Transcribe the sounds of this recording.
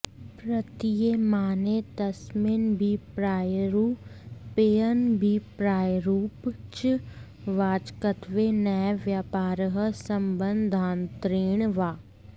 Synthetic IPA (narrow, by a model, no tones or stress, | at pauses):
pɾət̪ijemaːnet̪ɐsmɪnbʱipɾaːjɾuːpeːjənbʱipɾaːjɾuːpt͡ʃ | ʋaːd͡ʒkət̪ʋenɛʋjaːpaːɾəɦəsəmbənd̪ʱaːnt̪ɾeːɳ̃ʋaː